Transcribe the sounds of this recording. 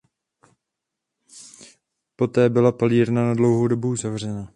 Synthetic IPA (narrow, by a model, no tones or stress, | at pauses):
po̞t̪ɛːbɪlapaliːɾnanadlo̞wɦodo̞buuzavr̝ɛna